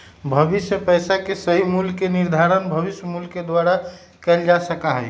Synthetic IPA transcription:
bʱəbisjəpəjsakesəɦimulkeniɾd̪ʱaɾənbʱəbisjəmulked̪waɾa | kɛld͡ʒasəkaɦəj

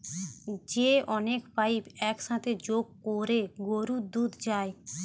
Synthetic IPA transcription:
d͡ʒeːʔɔneːkʰpaːiːpɛːksãːt̪eːd͡ʒoːkkoːɾeːɡoːɾuːd̪uːd̪d͡ʒaːeː

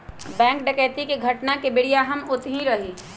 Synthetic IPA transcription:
bɛ̃ːŋk̚ɖɐkɛːt̪ikeɡʱɐʈnakebɪɽijaɦɐmʊt̪ɦĩɾɐɦiː

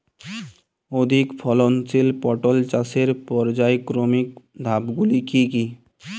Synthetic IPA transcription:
od̪ʱikpʰɔlɔnt͡ʃilpɔʈɔlt͡ʃaseɾpɔɾd͡ʒajkɾomik̚d̪ʱabɡulikiki

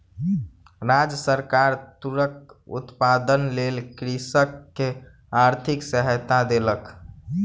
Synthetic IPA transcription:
ɾad͡ʒsəɾkaɾt̪uɾək̚ṵt̪pad̪ənlelkɾisəkːe | aɾt̪ʰiksəɦət̪ad̪elək

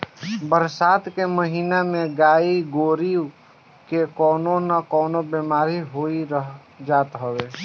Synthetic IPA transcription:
bəɾsaːt̪keməɦiːnamẽɡaːiɡoːɾiw | kekɔːnonəkɔːnobemaːɾiɦoiɾəɦ | d͡ʒaːt̪ɦəʋe

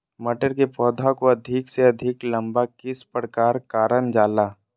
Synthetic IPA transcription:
mɐʈəɾkepɔːd̪ʱakoɐd̪ʱɪkseɐd̪ʱɪklɐ̃mbakɪspɾkaːɾkaːɾənd͡ʒaːlaː

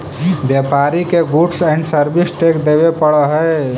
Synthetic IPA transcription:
bjepaɾikeɡuʈsəɳɖsəɾbisʈekd̪ebepəɽəɦəj

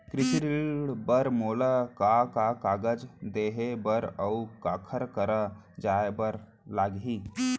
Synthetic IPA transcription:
kɾɪsiɾiɭɽbəɾmoːləkakakaːɡəd͡ʒd̪eɦebəɾəukaːkʰəɾkəɾə | d͡ʒaebəɾ | laːɡɦi

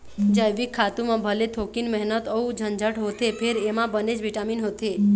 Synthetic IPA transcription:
d͡ʒəjʋikʰːat̪umãbʱəlet̪ʰokinmɛɦnət̪əud͡ʒʱənd͡ʒəʈɦot̪ʰepʰeɾemãbəned͡ʒʋiʈaminɦot̪ʰe

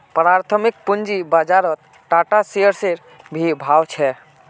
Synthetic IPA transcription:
pɾaɾt̪ʰəmik̚pund͡ʒibad͡ʒaɾət̪̚ | ʈaʈaseəɾseɾ | bʱibʱawt͡ʃʰɛ

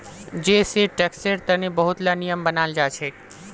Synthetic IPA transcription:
d͡ʒeːseʈekseɾt̪ənebəɦʊt̪lanijəmbənaːld͡ʒaːt͡ʃʰeː

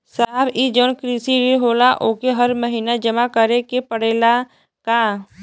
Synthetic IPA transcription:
saːɦbid͡ʒoːnkɾiːsiɾeɦoːlaʔoːkeɦəɾməɦiːnad͡ʒɐmakəɾekepəɽeːla | ka

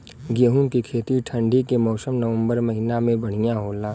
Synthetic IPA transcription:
ɡəɦũkikʰeːt̪iʈʰə̃ɳɖikemɔːsəmnəʋə̃mbəɾmɐɦinamẽbɐɽ̤ijaɦoːlaː

